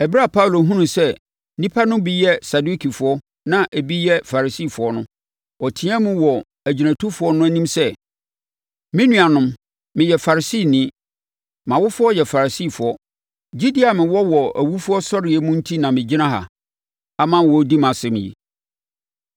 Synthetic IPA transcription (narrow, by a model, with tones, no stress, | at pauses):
ɛ˨bɾa˦˨pʰa˦u˨lo˨ɦũ˦nũ˨sɛ˦ | nĩ˦pʰa˦nʊ̃˦bi˦jɛ˦sa˨du˦kʰi˨fʊ˨˦ɔ˦ | nã˦ʔæ˨bi˦jɛ˦fa˨ɾa˨si˦˨fʊ˨ɔ˦nʊ̃˦ | ɔ˨tʰɪ̃˦ã˦mũ˦wɔ˨ | æ˨d͡ʑi˨næ̃˨tʰu˦fʊ˨˦ɔ˦nʊ̃˦æ˦nĩ˦msɛ˦ | mɪ̃˦nũ˦a˨nʊ̃˦m | mɪ̃˨jɛ˨fa˨ɾi˨siː˦˨nĩ˦ | mã˨wʊ˦fʊ˦ɔ˦jɛ˨fa˨ɾa˨si˦˨fʊ˨ɔ˦ | d͡ʑi˦di˦a˨mɪ̃˨wɔ˦wɔ˨æ˨wu˦fʊ˦ɔ˦sɔ˦ɾɪ˨ɛ˨mũ˦n̩˦tʰi˦nã˨mɪ̃˨d͡ʑɪ˦nã˦ɦa̰˨ | a˨mã˦˨wɔ˨˦di˦mã˨sɪ˦m̰̃˨jḭ˨